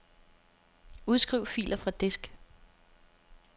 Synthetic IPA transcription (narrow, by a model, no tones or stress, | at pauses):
uðˠsɡ̥ʁiʊ̰fḭːlʔɐfʁɑ̈d̥e̝sɡ̥